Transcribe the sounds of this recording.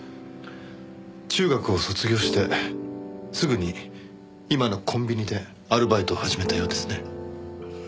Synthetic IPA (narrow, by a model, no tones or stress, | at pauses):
t͡ɕɨːɡakɯ̟o̞so̞t͡sɨɡʲo̞ːɕi̥t̪e̞ | sɨɡɯ̟ɲ̟i | imano̞kʰõ̞mbʲiɲ̟id̪e̞ | aɾɯ̟bait̪o̞ːhaʑime̞t̪ajo̞ːd̪e̞sɨ̥ne̞